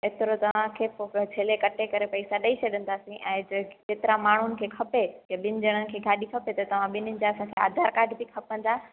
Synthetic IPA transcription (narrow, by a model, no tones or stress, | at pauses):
ɪt̪ɪɾot̪ɐʋ̤ãkʰeːfot͡ɕʰeːlekɐʈʰekɐɾepɐisaɗɐit͡ɕʰɐɗə̃n̆d̪aːsĩʔɛ̃ːd͡ʑkeːt̪ɪɾãmaːɳ̤ʊnɪ̆kʰeːkʰɐpekeɓɪnɪ̆d͡ʑɐɽ̃ənɪ̆kʰeːɡʱaːɗikʰɐpet̪ɐt̪ɐʋ̤ãɓɪnɪnɪ̆d͡ʑaɐsãkʰea̰ːd̪ʱaːɾkaːɾɖbikʰɐpə̃n̆d̪aː